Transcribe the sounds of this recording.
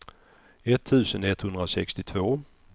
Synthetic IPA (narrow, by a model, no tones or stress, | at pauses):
ɛt̪ʰːʉ̟ːsənɛt̪ːhɵnd̪ɾasɛkst̪ɪt̪ʰvoː